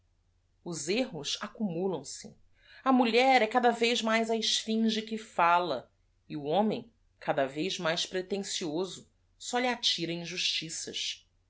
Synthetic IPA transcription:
ʊzeɦʊsakumulɐ̃w̃sɪ̰ | ɐmuʎɛɾɛkad̪ɐvejzmajzaɪʃfĩʒɪkɪfalɐ | ɪuõmẽj̃ | kʰad̪ɐvejzmajʃpɾet̪ẽsiozʊ | sɔʎɪat͡ʃiɾɐĩʒuʃt͡ʃisɐ̰ʃ

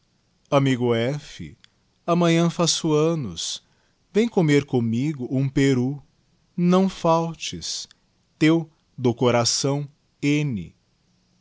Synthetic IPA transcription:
amiɡʊɛfɪ̰ | ɐmɐ̃ɲɐ̃fasuɐ̃nʊs | vẽj̃komeɾkõmiɡʊũpeɾu | nɐ̃w̃fawt͡ʃɪs | t̪ew | d̪ʊkoɾasɐ̃w̃ | ẽnɪ̰

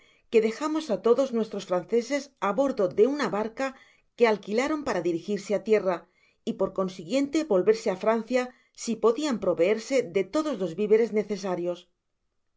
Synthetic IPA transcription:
ke̞ðe̞xamo̞sat̪o̞ðo̞znwe̞st̪ɾo̞sfɾanθe̞se̞saβo̞ɾðo̞ðe̞unaβaɾka | ke̞alkilaɾo̞mpaɾaðiɾixiɾseat̪je̞ra | ipo̞ɾko̞nsiɣje̞nt̪e̞βo̞lβe̞ɾse̞afɾan̟θja | sipo̞ðiampɾo̞βe̞e̞ɾse̞ðe̞t̪o̞ðo̞zlo̞zβiβe̞ɾe̞zne̞θe̞s̬aɾjo̞s

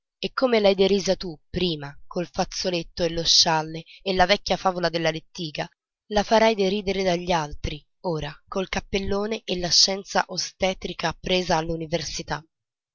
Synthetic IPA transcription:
ekːomelajd̪eɾiːzat̪upːɾiːmakolfat̪sːolet̪ːoelːoʃːalːeːlːavɛkʲːjafaːvolad̪elːalet̪ːiːɡa | lafaɾajd̪eɾiːd̪eɾed̪aʎːalt̪ɾi | oːɾakolkapːelːoːneʔelːaʃːɛnt̪sa̰ʔost̪ɛːt̪ɾikapːɾeːzaːlːuniversit̪a

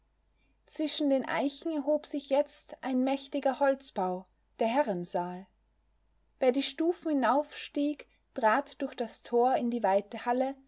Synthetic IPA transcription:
t͡sv̥ɪʃn̩deːnʔa̰ɪçn̩ɛɐɦoːpz̥ɪçjɛt͡stʔaɪnmɛçtɪɡɐhɔlt͡sb̥aʊ | d̥eːɐɦɛʁənzaːl | veːɐdiːʃtuːfn̩hɪnaʊfʃtiːk | tʁ̥aːtd̥ʊɐçd̥astʰoːɐɪndiːvaɪtəhalə

